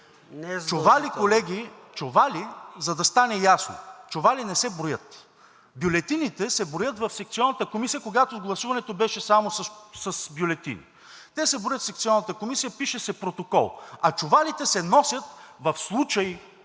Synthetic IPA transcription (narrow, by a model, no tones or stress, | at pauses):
nt͡ʃovalikolɛɡʲi | t͡ʃovalizɐd̪ɐst̪anɛjasno̰t͡ʃovalinɛsɛbɾojət̪ | bjolɛt̪init̪ɛsɛbɾojət̪vɐfsɛk̚t̪siɔnːɐt̪əkomisijəkoɡat̪oɡlˠɐsuvɐnɛt̪obɛʃɛsamossɐsbjolɛt̪ḭnḭ | t̪ɛsɛbɾojət̪sɛk̚t̪siɔnːət̪əkomisijəpiʃɛsɛpɾot̪okɔ̰lˠɐt͡ʃovalit̪ɛsɛnɔsʲjət̪vɐfslˠut͡ʃɐj